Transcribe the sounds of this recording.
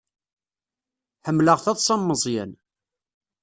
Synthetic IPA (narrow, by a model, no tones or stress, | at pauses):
ħəmːləʁθæðˤsˤɑmːəzˤjæ̰n